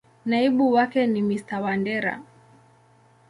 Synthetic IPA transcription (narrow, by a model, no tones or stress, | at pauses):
naiɓuwakɛnimistawandɛɾa̰